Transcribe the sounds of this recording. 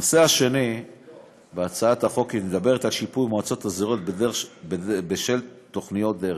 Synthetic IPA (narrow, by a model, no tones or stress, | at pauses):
oseaʃe̞ni | beat͡saathaχo̞kined̪abe̞ʁet̪alʃipujmoat͡so̞t̪aziʁo̞t̪̚bedebebeʃelt̪o̞χnijo̞t̚d̪eʁe